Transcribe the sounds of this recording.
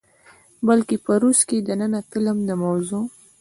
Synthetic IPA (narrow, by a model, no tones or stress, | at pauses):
bəlkepəɾusked̪ənənat̪ɪləmd̪əmawzo